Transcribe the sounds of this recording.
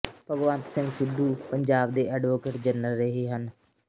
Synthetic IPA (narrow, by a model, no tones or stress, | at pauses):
pəɡʋãːnt̪sɪ̃ŋɡsɪd̪ːuːpəɲd͡ʒaːb̚d̪eːʔəɖʋoːkeːʈd͡ʒənəlɾəɦeːɦən